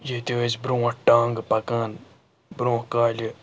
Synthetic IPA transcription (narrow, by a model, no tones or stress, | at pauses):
jet̪ʲezbɾõːɐʈãːŋɡpɐkaːn | bɾõːkaːlʲi